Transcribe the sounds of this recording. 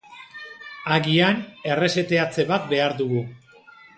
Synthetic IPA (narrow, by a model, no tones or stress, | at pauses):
aɣiane̞re̞se̞t̪e̞at͡se̞βat̪̚be̞aɾðuɣu